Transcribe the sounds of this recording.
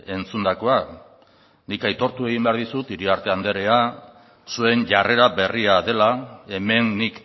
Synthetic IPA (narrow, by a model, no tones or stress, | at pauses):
e̞nt͡sund̪ako̞a | nikajt̪o̞ɾt̪ue̞ɣ̞imbe̞aɾðisut̪iɾiaɾt̪e̞and̪e̞ɾea | sue̞nʝare̞ɾaβe̞riaðe̞lae̞me̞nːik